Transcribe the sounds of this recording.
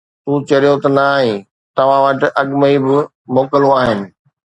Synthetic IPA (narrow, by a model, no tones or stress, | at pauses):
t̪ũːt͡ɕɐɾijot̪ɐnaːɦĩ | t̪ɐʋ̤ãʋɐʈɪ̆ʔɐɠməibɪ | moːkəloaːɦɪnɪ̆